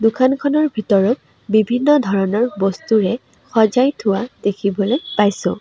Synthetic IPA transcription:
dukʰankʰɔnɔɹbʱitɔɹɔt̚ | bibʱinːɔdʱɔɹɔnɔɹbɔstuɹɛ | xɔzajtʰʊwad̥ekʰibɔlojpajsʊ̰̃

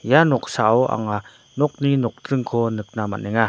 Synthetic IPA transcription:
janɔk̚saʔɔwʔa̰ŋa | nɔk̚ninɔk̚tɾɯŋkʰɔnɯk̚nama̰ʔnɛŋa

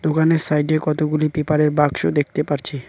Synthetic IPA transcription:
d̪okaneɾsajɖekɔt̪oɡulipipaɾeɾbaɡʃod̪ek̚ʰt̪epaɾt͡ɕʰi

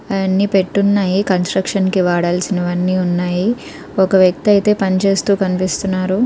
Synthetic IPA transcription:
ɐɐnːipe̞ʈːunːaːjikɐnsʈɾɐkʂɐnkiʋaːɽaːlsinɐʋɐnːiːunːaːji | ɔkɐʋjɐk̚t̪iɐjt̪e̞ːpɐnit͡ʃe̞ːst̪uːkɐnipist̪unːaːɾu

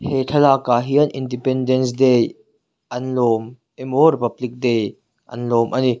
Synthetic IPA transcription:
hetʰɐlaːkaɦiənʔindipɛndɛns̬dej | ʔɐnlɔːm | emoɾipɐblɪk̚dej | ʔɐ̰nlɔmʔɐni

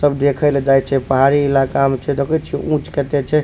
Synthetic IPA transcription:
səbd̪ekʰəled͡ʒajt͡ʃʰɛpəɦaɾiilakamt͡ʃʰɛd̪okʰɛt͡ʃʰiũt͡ʃkɛt̪ɛt͡ʃʰɛ

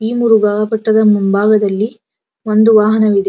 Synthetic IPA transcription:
iːmuɾuɡaːɡɐpɐʈːɐd̪ɐmunbaːɡɐd̪ɐlːi | ʋond̪uʋaːɦɐnɐʋid̪e

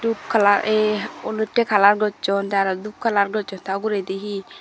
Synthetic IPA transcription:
dup̚kʰalaɾeɔləʈːekʰalaɾɡɔt͡ʃɔnd̪aɾad̪up̚kʰalaɾɡɔt͡ʃɔnt̪aɡuɾed̪iɦi

